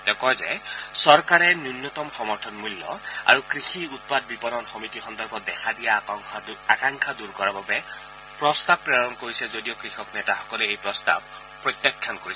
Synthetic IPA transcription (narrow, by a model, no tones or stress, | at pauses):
t̪ɛkɔjzɛsɔɹkaɹɛnjunjɔt̪ɔmxɔmɔɹtʰɔnmulːɔ̰a̰ɹukɹixiut̪̚pad̪̚bipɔɾɔnxɔmitixɔnd̪ɔɹbɔd̪ɛkʰadija | akaŋkʰad̪uɹkɔɹababɛ | pɹɔst̪abɹeɹɔnkoɹisɛzodijɔkɹixɔknɛtaxɔ̥kɔlɛejpɹɔst̪a̰b̚ | pːɹɔt̪jakʰːjankoɹisɛ